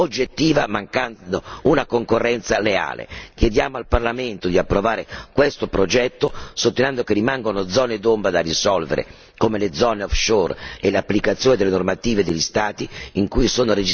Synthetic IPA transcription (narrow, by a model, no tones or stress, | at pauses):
od͡ʒːet̪ːiːvamaŋkand̪ounakoŋkorːɛnt̪salea̰ːlḛk̟jed̪jaːmoalparlament̪od̪iapːɾovaːɾekwest̪opɾod͡ʒɛt̪ːosot̪ːenɛnd̪okerimaŋɡonod̪zɔːned̪ombɾad̪arisɔlvḛɾḛ | komeled̪zɔneɔfʃorelapːlikat̪sːjoːned̪elenormat̪iːved̪elʎːist̪aːt̪iːŋkujsoːnoɾed͡ʒ